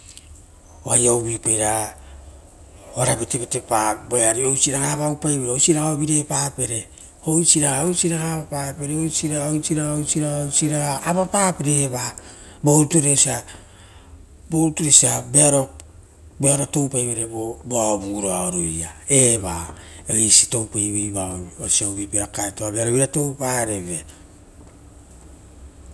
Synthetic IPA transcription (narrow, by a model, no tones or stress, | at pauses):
oajawβipejɾa | oaɾabetebetepaboeaɾiowsiɾaɡaβawpajbeɾeojsiɾaoβiɾepape̞ɾe | hojsiɾaojsiɾahaβapapeɾeojsiɾaojsiɾaosiɾaosiɾaːβapaːpiɾeβa | boɾutuɾesia | boɾtuɾesiabe̞aɾo̞ | beaɾoto̞wpajβeɾeboboaobuɾoaoɾojae̞βa̰ | eisi̥to̞wpajβiβaosiawβipeɾakaetoabe̞aɾoβiɾato̞wpaɾeβe̞